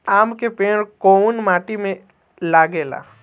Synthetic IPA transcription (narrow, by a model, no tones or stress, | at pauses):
aːmkepeːɽ̃konmaːʈimẽ | laːɡeːla̰ː